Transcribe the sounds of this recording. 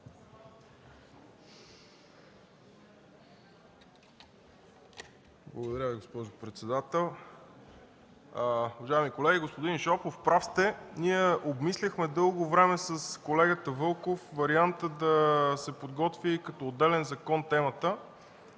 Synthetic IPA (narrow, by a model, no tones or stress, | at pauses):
blˠɐɡod̪ɐɾʲaviɡospɔʒʊpɾɛt̪sɛd̪at̪ɛlˠ | uvɐʒaɛmikolɛɡʲiɡospod̪inʃɔpofpɾafst̪ɛniɛobmislʲəxmɛd̪ɤlˠɡovɾɛmɛsəskolɛɡət̪əvɤlˠkofvɐɾiant̪əd̪ɐsɛpod̪ɡɔt̪vʲikɐt̪ɔːd̪ːɛlɛnzɐkɔnt̪ɛmət̪ə